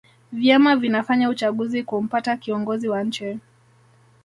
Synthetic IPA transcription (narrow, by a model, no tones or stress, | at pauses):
vjamavinafaɲaut͡ʃaɠuzikum̩patakiɔŋɡɔziwaɲ̩t͡ʃɛ